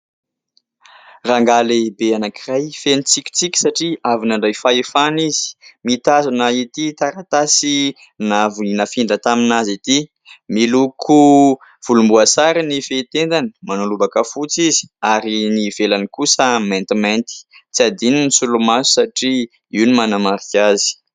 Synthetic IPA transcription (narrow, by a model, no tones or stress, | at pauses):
raŋɡalibeanakirajfenit͡sikʲi̥t͡sikʲi̥saʈ͡ʂiavinaɳɖ͡ʐajfaefanizi̥mit̪azanəit̪it̪aɾat̪asi | navuninəfiɳɖ͡ʐət̪aminazit̪i | milukʰu | v̥ulumbuasaɾinifet̪end̪anəmanulubakəfut͡sizi̥aɾinivelanikusəment̪iment̪i̥t͡siad̪ininisulumasu̥saʈ͡ʂi | iwnimanamaɾikʲazi̥